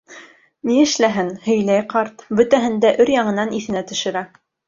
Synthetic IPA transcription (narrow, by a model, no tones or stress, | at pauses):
niɘ̆ʃlæɦɘnhɵ̆jlæjqɑɾt̪bɵ̆t̪æɦɘ̆nd̪æʔɵɾjɑɴɤ̆nɑniθɘ̆næt̪ɵ̆ʃɘ̆ɾæ